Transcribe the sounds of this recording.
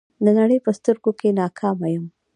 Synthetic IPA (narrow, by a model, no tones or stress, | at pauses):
d̪ənaɽəjpəst̪əɾɡokenɑkʰɑmajəm